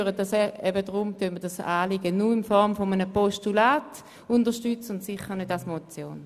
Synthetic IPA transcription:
ʁədasɛɛbədʁʊmtønmədasaːliɡənuɪnfɔʁmfomənəpɔstulaːt | ʊndəʃtyt͡səʊntsiχəʁnødasmot͡sjo̰ːn

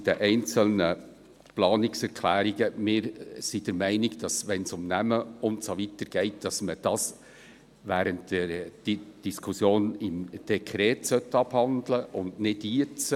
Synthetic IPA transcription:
d̥əʔɛɪnt͡səlnə | plɑːnɪksɛɾkʰlæːɾiɡəmɪːɾsid̥əɾmæɪnɪɡd̥ɑsʋɛnsʊmnæməʊntsoʋitəɾɡ̥ɛɪt̚d̥ɑsməd̥ɑs | ʋæːɾəntd̥ɛɾd̥d̥iskʰusjoːnɪmd̥ekʰɾɛːtsœtːɑbhɑndləʔʊndnɪdiət͡sə

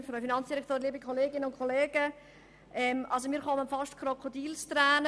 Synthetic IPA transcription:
fɾœfinɑnt͡ssd̥iɾɛktoːɾliəbikʰoleːɡɪnəʊnkʰoleːɡ̥ə | ʔɛmʔɑls̬omiːχɔmənfɑʃtkʰrokʰodiːlstɾɛːn

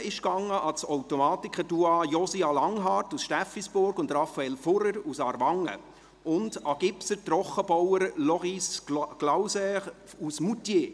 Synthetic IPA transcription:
ɪʃkɑŋːəʔɑsɔwtɔmɑːtikχəduɑjɔsiɑlɑŋɦɑːrtusʃtæfisb̥ʊɾɡʊndɾɑfːɑɛlfʊɾəɾusɑɾʋɑŋːə̰ | ʔʊnd̥ɑɡ̥ɪpsətɾɔχːəb̥ɔwəɾlɔʁisɡ̥lawsɛ | usmutjeː

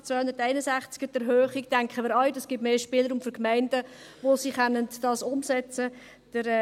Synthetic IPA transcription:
t͡sʋœhʊnd̪ətæɪnəsæχt͡skədɛɾɦøːχiktæŋkχəmiːɾɑljdɑsɡ̥ɪtmeːʃpɪːləɾumfyɾkmæɪnd̥ə | ʋosiχɛnːəndɑːsʊmsɛt͡sə | d̥əɾɛ

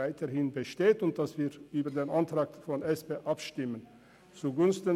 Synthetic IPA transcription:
aɪtʰəhɪnbəʃteːtʊnt̚d̥asv̥iːɐʔyːbɐdeːnʔantʁ̥aːk̚fɔnɛspeːʔapʃtɪmən | t͡suːɡʊnstn

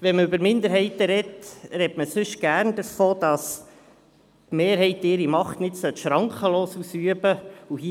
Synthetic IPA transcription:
ʋɛnməʉbəɾmɪnd̪əɾɦɛɪt̪əɾɛtɾɛtməsʏʃɡ̥æːɾndəɾfoːd̥ɑs | tmeːɾɦɛɪt̪ɪɾimɑχtnɪtsœt̪ʃɾɑŋkχəloːsusyəbəuhi

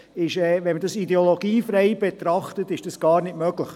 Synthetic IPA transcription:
ɪʃɛːʋɛnmədɑsidɛoloɡ̥iːfrɛɪb̥et̪ɾɑχtətɪʃd̥ɑsɡ̥ɑːɾnɪtmœɡləχ

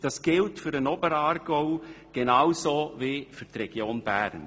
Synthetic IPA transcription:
d̥ɑsɡ̥ɪltfʏɾənɔbəɾɑːɾɡ̥ɔʊɡ̥enɑːwsovifyɾtrɛɡ̥joːnbæɾn

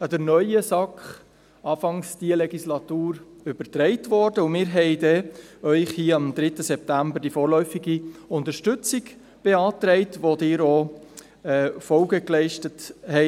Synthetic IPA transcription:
ɑdəɾnœʏəsɑkχ | ɑːfɑŋsd̥iəlɛɡislɑtuːɾ | ʏb̥əɾtɾɛɪtvɔdəʊmɪːɾɦɛɪdɛœʏχhiəɑmd̪ɾɪtəsɛp̚tæmbəɾd̥ifɔːɾlœʏfiɡiʊntəɾʃtʏt͡sɪɡ | b̥eɑːtɾɛɪtvodɪːɾoː | ɛːfɔlɡəklɛɪʃtəthɛ

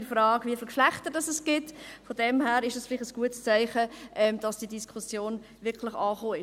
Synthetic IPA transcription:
fɾɑːɡviəfɪlkʃlæχtəd̥ɑsɛsɡ̥ɪtfɔdɛmhæːɾɪʃdɑsfɪlɪχəsɡ̥uətst͡sœɪχəʔɛmd̥ɑsd̥iədiskʰusjoːn | vɪkʰlɪχɑːχoːɪ

